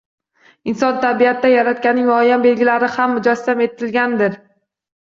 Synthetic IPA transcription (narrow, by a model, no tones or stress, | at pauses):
ɪnsɒnt̪ʰabijat̪d̪ajaɾat̪̚kʲanːɪŋmɒjambe̞lɡʲɪlaɾɪhamːʊd͡ʒast̪ame̞t̪ʰːɪlɡʲand̪ɪɾ